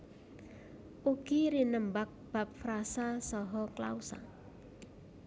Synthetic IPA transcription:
ʔuɡ̥iɾinəmbak̚b̥a̤p̚fɾasasɔɦɔkla̰usa̰

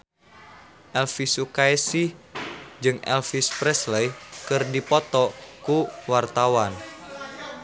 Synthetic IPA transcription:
ʔɛlfisukaɛsi | d͡ʒɨŋɛ̰lfispɾɛsləjkɨrdipɔt̪ɔkuwart̪awan

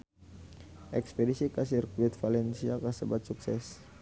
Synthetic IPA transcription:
ʔɛkspedisikasirkwit̪falɛnsiakasəbat̪̚suksɛs

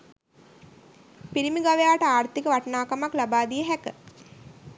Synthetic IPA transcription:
piɾimiɡaʋejaːʈəaːrt̪ikəʋaʈənaːkamaklabaːd̪ijəɦækə

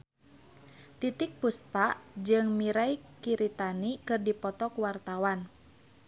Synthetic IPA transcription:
t̪it̪ik̚puspaʔd͡ʒɨŋmiɾaikiɾit̪anikɨrdipɔt̪ɔkuwart̪awan

